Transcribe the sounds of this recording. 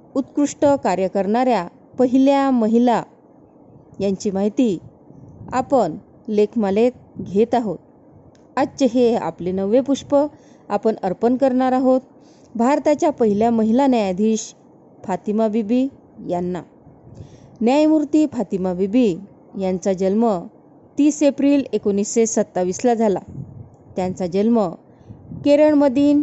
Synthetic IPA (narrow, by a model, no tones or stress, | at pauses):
ut̪kɾuʂʈəkaɾjəkəɾɳaɾja | pəɦiljaməɦila | jaɲt͡ɕimaɦit̪i | a̰pəɳ | lekʰmalet̪̚ɡʱet̪aɦot̪̚ | at͡ɕəɦea̰plenəʋepuʂpə | apəɳəɾpənkəɾɳaɾaɦot̪̚ | bʱaɾt̪at͡ɕjapəɦiljaməɦilanjajad̪ʱiːɕ | fat̪imabibi | janːa̰ | njajmuɾt̪iːfat̪imabibi | jãnt͡sad͡ʑəlmə | t̪iːsepɾiːlekonisːesət̪ːaʋislad͡zʱala̰ | t̪jãnt͡sad͡ʑəlmə | keɾəɳməd̪iːn